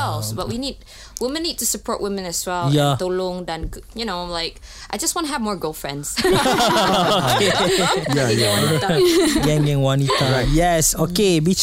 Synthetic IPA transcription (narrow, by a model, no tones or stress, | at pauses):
ɛlˠsbaʔwinid̚ | wɪmə̃nːid̚tusəpʰɔɹʔwɪ̃mə̃nɛswɛljatolɔ̃ŋdãnɡjunoãɪ̃mlaɪkʔaɪd͡ʒʌstwɔ̃ntəɦəvmɔɹɡɜlˠfɹɛ̰̃ndz̥ | okejaja | ɡɛ̃ŋɡɪ̃ŋwɔnit̪əɹaɪt̚jɛsokebit͡ʃ